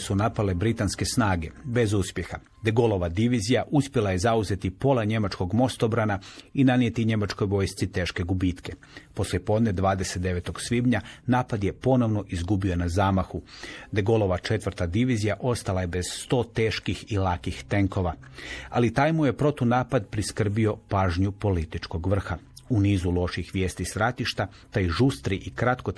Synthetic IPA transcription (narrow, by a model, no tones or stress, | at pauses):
sunapale̞bɾit̪anske̞snaːɡe̞be̞zuspje̞xa | d̪eɡolo̞ʋad̪iʋizijaʔuspje̞laje̞zauze̞t̪ipo̞lˠaɲe̞mat͡ʃko̞ɡmo̞st̪obɾanainaniet̪iɲe̞mat͡ʃko̞jʋo̞ːjst̪sit̪e̞ːʃke̞ɡubit̪ke̞ | po̞slʲjepo̞d̪ne̞d̪ʋaːd̪e̞set̪e̞ʋe̞t̪o̞ɡsʋibɲanaːpad̪je̞po̞no̞ʋno̞ʔizɡubio̞nazaːmaxud̪e̞ɡo̞lˠo̞ʋat͡ʃe̞t̪ʋr̩t̪ad̪iʋizijaʔo̞st̪alajebe̞z̥st̪o̞ːt̪eːʃkixilakixt̪e̞ŋko̞ʋa | a̰lit̪aːjmujepɾo̞t̪unaːpad̪pɾiskr̩bio̞paːʒɲupo̞lit̪it͡ʃko̞ɡʋr̩xa | uniːzulo̞ʃixʋjeːst̪isɾat̪iʃt̪a | t̪aiʒust̪ɾiʔikɾat̪ko̞